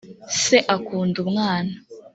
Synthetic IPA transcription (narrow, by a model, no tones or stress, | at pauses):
seʔakuːndumŋaːna